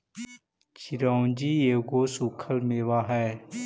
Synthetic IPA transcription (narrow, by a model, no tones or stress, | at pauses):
t͡ʃiɾaːund͡ʑiːeːɡoːsuːkʰəlmeːʋaːɦɛː